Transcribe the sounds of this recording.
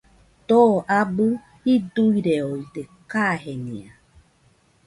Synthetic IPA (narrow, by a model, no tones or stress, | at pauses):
t̪oʔabu | hid̪uiɾeoid̪ekaɦenḭ̃a